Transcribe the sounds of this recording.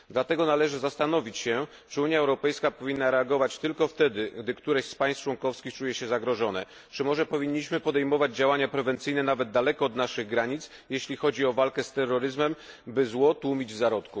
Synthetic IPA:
d̪lat̪ɛɡɔnalɛʐɘzast̪anɔvʲit͡ɕɕɛ | t͡ʂɘuɲjaɛwɾɔpɛjskapɔvʲinːaɾɛaɡɔvat͡ɕt̪ɘlkɔft̪ɛd̪ɘɡd̪ɘkt̪uɾɛɕspajst͡ʂwɔŋkɔfskʲixt͡ʂujɛɕɛzaɡɾɔʐɔnɛ̰ | t͡ʂɘmɔʐɛpɔvʲiɲːiɕmɘpɔd̪ɛjmɔvad͡ʑd͡ʑawaɲapɾɛvɛnt̪sɘjnɛnavɛd̪d̪alɛkɔːd̪naʂɘɣɡɾaɲit̪s | jeɕlʲixɔd͡ʑiɔvalkɛst̪ɛrːɔɾɘzmɛm | bɘzwɔt̪wumʲid͡ʑvzaɾɔt̪ku

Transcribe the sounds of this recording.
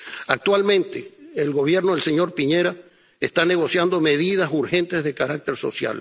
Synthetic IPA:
ak̚t̪walmẽ̞nt̪eːlɣo̞βje̞ɾno̞ðelse̞ɲo̞ɾpiɲe̞ɾa | est̪ane̞ɣo̞sjand̪o̞meðiðasuɾxe̞nt̪e̞zðe̞kaɾak̚t̪e̞ɾso̞̰sja̰l

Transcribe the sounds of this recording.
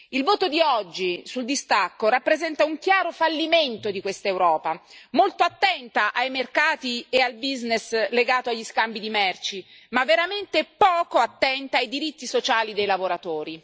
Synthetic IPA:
ilvoːt̪od̪iɔd͡ʒːisuld̪ist̪akːoɾapːɾezɛnt̪auŋk̟jaːɾofalːiment̪od̪ikwest̪aewɾɔːpamolt̪oat̪ːɛnt̪aʔajmerkaːt̪iealbiznesleɡaːt̪oaʎːiskambid̪imɛrt͡ʃimavːeɾament̪epɔːkoat̪ːɛnt̪aajd̪iɾit̪ːisot͡ʃaːlid̪ejlavoɾat̪oːɾi

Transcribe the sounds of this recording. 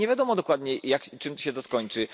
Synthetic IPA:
ɲevʲjad̪ɔmɔd̪ɔkwad̪ɲɛjakt͡ʂɨmt̪ɔɕɛt̪ɔskɔɲt͡ʂɘ

